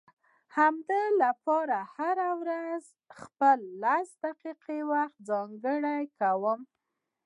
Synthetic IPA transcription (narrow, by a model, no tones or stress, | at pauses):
hamd̪əlapɑɾahaɾawɾaz | xpəlːasd̪aqiqiwaxt̪̚zɑŋɡəɽajkawəm